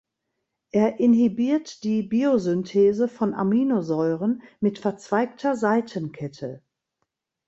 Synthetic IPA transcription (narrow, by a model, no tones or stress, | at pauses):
ʔeːɐʔɪnɦibiːɐtd̥iːbiːozʏntʰeːzəfɔna̰miːnozɔʏʁənmɪtfɛɐt͡sv̥aɪk̚tʰɐzaɪtʰənkʰɛtʰə